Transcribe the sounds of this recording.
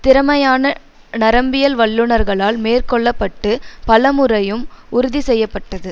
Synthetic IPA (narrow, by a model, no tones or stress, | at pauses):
t̪ɪɾɐmɐjaːnɐ | nɐɾɐmbɪjɐlʋɐɭːɯɳɐɾɣɐɭaːlmeːrkɔɭːɐpːɐʈːɯpɐlɐmɯɾɐjɯmʊɾʊðisɛjːɐpːɐʈːɐðɯ